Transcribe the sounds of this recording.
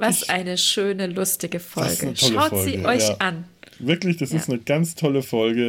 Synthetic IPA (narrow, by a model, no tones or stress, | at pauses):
vasʔaɪnəʃøːnəlʊstɪɡəfɔ̰lɡɡənətʃɔlaʊfɔlziːəʔɔʏçʔanvɪɐklɪçd̥asɪstnəɡ̥ant͡stʰɔləfɔlɡə